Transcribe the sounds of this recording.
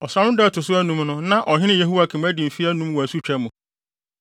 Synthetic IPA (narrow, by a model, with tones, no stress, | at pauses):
ɔ˨sɾã˨˦ʊ̃˦dɛ˦˨tʰʊ˨sʊ˦æ˦nũ˨mnʊ̃˦nã˦ʔɔ˨ɦɪ̃˦nɪ̃˦je˦ɦu˦wa˨kʰɪ̃˨mæ˦dĩ˨m̩˨fi˦æ˦nũ˦mwɔ˨æ˨su˦t͡ɕᶣɛ˨˦mũ˨